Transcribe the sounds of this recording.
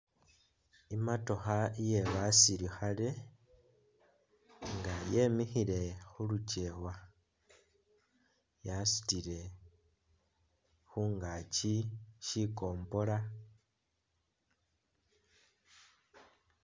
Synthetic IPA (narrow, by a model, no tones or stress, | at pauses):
imato̞xaije̞βasiɾixale̞ | ŋɡaje̞mixile̞xuluce̞ːwa | jasu̥tiɾe̞ | xuːŋɡaːciʃiko̞ːmbo̞la